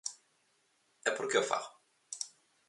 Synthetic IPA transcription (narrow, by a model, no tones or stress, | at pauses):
ɛpoɾkeofa̰ʁ